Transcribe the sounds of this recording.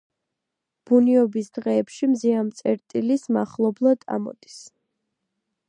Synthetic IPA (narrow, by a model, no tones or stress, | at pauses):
b̥uniɔbisd̪̥ʁɛːpʃimziant̪sʼɛɾt̪ʼilismaχlˠɔblˠad̪̥a̰mɔ̰d̪is